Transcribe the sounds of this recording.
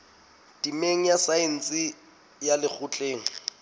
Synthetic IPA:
tʼimeŋ̩jasaen̩t͡sʼɪ | jalɪk͡xʊt͡ɬʼeːŋ̩

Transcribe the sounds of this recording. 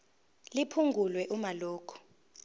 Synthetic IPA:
lipʰuŋɡʱulwɛʔumaloːkʰɔ̥

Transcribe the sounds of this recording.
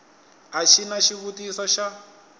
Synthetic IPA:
aʃinaʃiβutisɔʃa

